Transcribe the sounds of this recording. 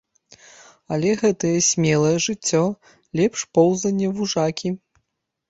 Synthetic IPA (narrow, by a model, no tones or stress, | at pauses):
ɐlʲɛɣɛt̪ɐjɛsʲmʲɛlˠɐjɛʐɨt͡sʲːɔ | lʲɛpʂpɔwzɐnʲːɛvuʐakʲi